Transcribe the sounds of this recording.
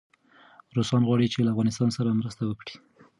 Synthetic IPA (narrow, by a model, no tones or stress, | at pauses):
ɾosɑnɣwɑɽit͡ʃelaːfɣɑnɪst̪ɑnsaɾamɾəst̪awəkɽi̥